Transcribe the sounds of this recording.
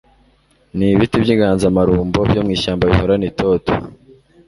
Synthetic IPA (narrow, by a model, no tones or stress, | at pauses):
niβitibjiːŋɡaːnzamaɾuːmbobjomŋiːʃaːmbaβḭhoɾanitoto̥